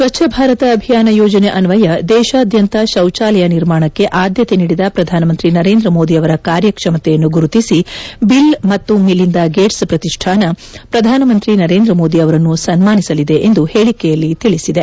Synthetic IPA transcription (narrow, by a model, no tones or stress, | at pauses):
sʋɐt͡ʃʃʰɐbʱaːɾɐt̪ɐːbʱijaːnɐjoːd͡ʒɐneʔɐnʋɐjɐd̪ɛːʃaːd̪ʱjɐnt̪ɐʃɐwt͡ʃaːlɛjɐniɾmaːɳɐkːeʔaːd̪jɐt̪e̞niːɽid̪ɐpɾɐd̪ʱaːnɐmɐnt̪ɾinɐɾe̞ːnd̪ɾɐmo̞ːd̪iɐʋɐɾɐkaːɾjɐkʂɐmɐt̪ɛjɐnːuɡuɾut̪isibilmɐt̪ːumilːind̪aɡeːʈspɾɐt̪iʂʈʰaːnɐpɾɐd̪ʱaːnɐmɐnt̪ɾinɐɾeːnd̪ɾɐmoːd̪iɐʋɐɾɐnːusɐnmaːnisɐlid̪e̞ʔend̪uhe̞ːɭikɛjɐlːit̪iɭisid̪e̞